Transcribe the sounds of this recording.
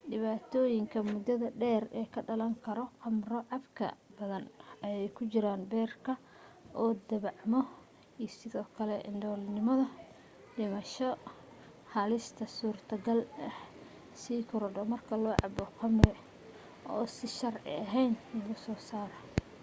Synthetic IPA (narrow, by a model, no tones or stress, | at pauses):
ɖɪβaːt̪ʰɔːjɪŋkʰɐmʊd̪ɐðɐɖɛːrɛːkʰɐɖɐlɐŋkʰɐɾɔqɑmrɔʕɑbkʰɐ̰bɐðɐnɐjɛjkʰʊt͡ʃɪɾaːnbɛːrkʰɐ | ʔɔːd̪ɐβɑʕmɔ | ijsɪðɔːkʰɐlɛʔɪ̰nɖɔːlnɪmɐðɐ | ɖɪmɐʃɔ | hɐlɪst̪ʰɐsuːrt̪ʰɐɡɐlɐh | siːkʰʊɾɐɖɔmɐrkʰɐlɔːʕɑ̰bɔqɑmrɪ | ʔɔːsɪʃɐrʕɪ̰ɐɦɛjnlɣʊsɔːsaːɾɔ